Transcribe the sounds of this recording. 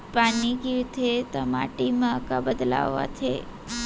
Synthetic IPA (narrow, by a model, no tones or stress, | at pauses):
panikit̪ʰet̪amaʈimãkabəd̪la̰ʋːa̰t͡ʃʰḛ